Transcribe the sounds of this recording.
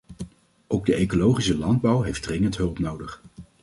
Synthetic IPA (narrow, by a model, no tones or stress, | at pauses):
ʔowɡ̚dəejkolowχisəlɑnd̚bʌwɦejfdrɪŋəntɦɵlˠpnowdəχ